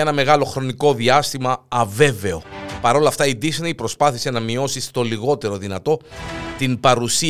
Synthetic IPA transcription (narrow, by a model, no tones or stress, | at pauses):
enɐme̞ɣɐlo̞xɾo̞niko̞ðiɐst̪imɐɐve̞ve̞o̞pɐɾo̞lɐːft̪ɐid̪isniipɾo̞spɐθise̞nɐmio̞sist̪o̞liɣo̞t̪e̞ɾo̞ðinɐt̪o̞t̪inbɐɾusi